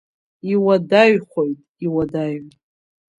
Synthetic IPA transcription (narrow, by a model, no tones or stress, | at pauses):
iwadaɥχʷojtʼiwadaj